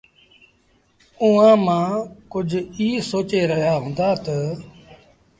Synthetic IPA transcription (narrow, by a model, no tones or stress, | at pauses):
uːãːmãːkʊd͡ʒʱiːsoːt͡ʃeːɾəɦijaːɦõːnd̪aːt̪ə